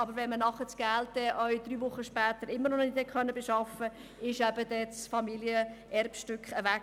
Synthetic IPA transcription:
ɑbəɾʋɛnmənɑχət͡sɡ̥æltdɛʔœɥd̪̥ɾyːvʊχːəʃpæːt̪əɾɪmːəɾnɔnnɪt̪ɛkχœnːəbeʃɑfə | ɪʃæbəd̥̪ɛt͡sfɑmiljəʔɛrpʃtʏkχəʋæ

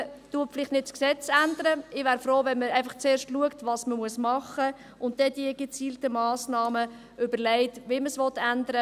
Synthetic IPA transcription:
tuəflɪχtnɪtsksɛt͡sændəɾəɪvʋæːɾfɾoːvɛnməæɪfɑχt͡seːɾʃtluəktvɑːsməmuəsmɑχə | ʊnt̚dɛdiəɡ̥ət͡siːltəmɑːsnɑːmə | ʏbəlɛɪtvɪməsʋɔtːændəɾə

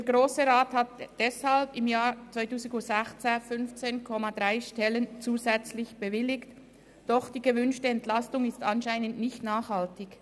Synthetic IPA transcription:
d̥eːɾɡʁoːsəʁaːthat̚d̥ɛshalpɪmjaːɾt͡svaɪtuːzɪɡʊsɛxt͡sefʏnft͡seːnkʰɔmadʁaɪʃtɛlənt͡suːzɛt͡slɪçb̥əvɪlɪkt | d̥ɔχd̥iːɡəvʏnʃtəɛntlastʊŋɪstanʃaɪnəndnɪçtnaːχhaltɪç

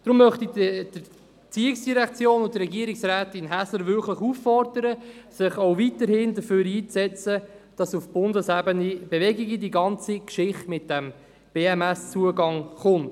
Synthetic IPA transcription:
d̪̥ɾʊmːœχtidəd̥ə | t͡siɪksd̥iɾɛkt͡sjoːnʊntrɛɡiəɾiksɾæːtɪnɦæsləɾvʏɾkləχufːɔrdəɾəsɪχoʊvitəɾhɪndəføːɾiːt͡sɛt͡sə | d̥ɑsufb̥ʊndəsæbənib̥evɛɡiɡidiɡɑnt͡sikʃɪχtmɪt̚d̥æm | b̥eːɛmɛst͡suəɡɑŋχʊnt

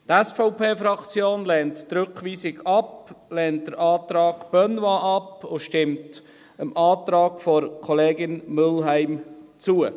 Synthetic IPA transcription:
tɛsfɔʊpʰeːfɾɑkt͡sjoːnlɛːnttɾøkχʋiːsɪɡɑplɛːnt̚d̥əɾʔɑːtɾɑːɡ̥b̥œnwɑʔɑpʊʃtɪmt | əmʔɑːt̪ɾɑːɡfɔɾkʰɔleːɡɪnmʏlɦæɪmt͡suə

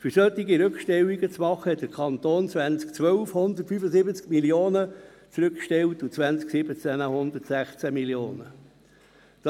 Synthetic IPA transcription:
fʏɾsœt̪ːiɡiɾʏkʃtɛlːiɡət͡smɑχəhɛt̪̚d̥əɾkʰɑnt̪oːnt͡svænt͡skt͡sʋœlfhʊnd̪ətfyfəsɪbət͡skmilioːnə | t͡sɾʏkʃtɛltʊt͡sʋænt͡sksɪbət͡sænəhʊnd̪ətsæχt͡sæmiljoːnə | d̥

